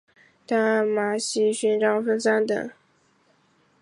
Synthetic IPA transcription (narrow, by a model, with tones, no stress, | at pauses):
t̪a˥ma˨˩ɕi˥ɕy˥nʈ͡ʂɑ˥ŋfə˥nsa˥nt̪ə̰˨˩˦ŋ